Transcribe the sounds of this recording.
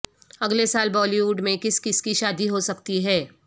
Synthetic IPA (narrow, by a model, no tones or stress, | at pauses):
ɐɡlesaːlbɔːliʋuːɖmẽkɪskɪskiʃaːd̪iɦosɐkt̪iɦɛː